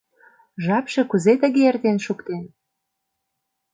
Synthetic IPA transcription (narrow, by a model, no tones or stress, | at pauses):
ʒɑpʃĕkuzet̪ə̆ɣeert̪enʃukt̪en